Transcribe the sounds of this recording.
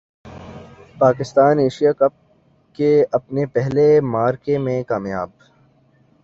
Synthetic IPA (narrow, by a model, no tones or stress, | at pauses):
paːkɪst̪aːneːʃijakɐp̚ | keɐpnepɛɦlemaːɾkemẽkaːmijaːb̚